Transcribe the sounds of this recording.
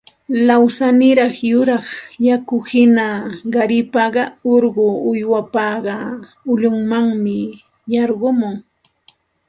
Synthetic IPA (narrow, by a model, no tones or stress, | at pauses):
lawsanɪɾɑχjʊɾɑχjakʊhɪnaɢɑɾɪpɑɢɑoɾɢʊʊjwapɑɢɑ | ʊʎʊŋmaŋmɪ | jɑɾɢʊmʊŋ